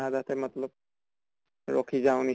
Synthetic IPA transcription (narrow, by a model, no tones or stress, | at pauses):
ɦadatʰɛmɔt̪lɔb̚ | ɹɔ̰kʰizaʊ̃ni